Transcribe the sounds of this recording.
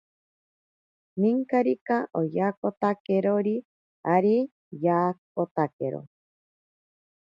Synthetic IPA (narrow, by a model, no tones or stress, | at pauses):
niŋkaɾikaʔojakot̪akeɾoɾi | aɾi | jaːk̚ot̪akeɾo̰